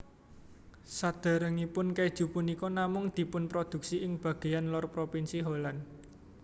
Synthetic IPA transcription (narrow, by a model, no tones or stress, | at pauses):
sad̪̥a̤ɾəŋipʊnkɛd̥ʒ̥ṳpʊnikɔnamʊŋd̪̥i̤pʊnpɾod̪̥ṳk̚siʔɪŋb̥ä̤ɡ̥e̤janlɔrpɾopinsiɦolan